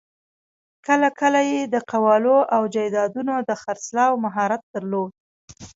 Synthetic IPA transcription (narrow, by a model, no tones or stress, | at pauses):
kəlakəlajed̪əqawɑloʔawd͡ʒajd̪ɑd̪unod̪əxaɾslɑwmaɦɑɾat̪̚d̪əɾlod̪̚